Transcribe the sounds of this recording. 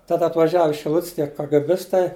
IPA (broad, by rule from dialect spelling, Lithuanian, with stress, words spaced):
tɐt ɐtʋɐˈʒʲæːʋʊ ɪʃ ʃʲɪˈlˠʊtʲsʲ tʲiɛ kɐɡɘˈbʲɪstɐɪ